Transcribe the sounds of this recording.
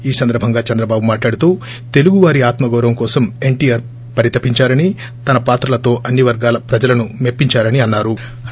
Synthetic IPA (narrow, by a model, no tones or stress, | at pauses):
iːsɐnd̪ɐɾbʱɐŋɡaːt͡ʃɐnd̪ɾɐbaːbumaːʈlaːɽut̪uː | t̪e̞luɡuʋaːɾiaːt̪mɐɡɐːɾɐmkɔːsɐme̞ɳʈiːjɐːɾ | pɐɾit̪ɐpiɲt͡ʃaːɾɐni | t̪ɐnɐpaːt̪ɾɐlɐt̪o̞ːʔɐnːiʋɐɾɡaːlɐpɾɐd͡ʒɐlɐnume̞pːiɲt͡ʃaːɾɐniɐnːaːɾu